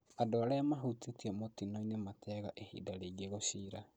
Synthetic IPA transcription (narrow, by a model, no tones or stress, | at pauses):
adoaɾajamaɦutetiɛmotinoinematɛɣaʔehḭdaɾeiɡeɣoɕiɾa